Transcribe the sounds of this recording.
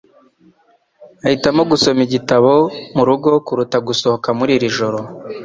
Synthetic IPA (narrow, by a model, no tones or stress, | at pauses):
ahitamo̞ɡuso̞miɟitaβo̞muɾuɡo̞kuɾutaɡuso̞hokamuɾiɾiʒo̞ɾo̞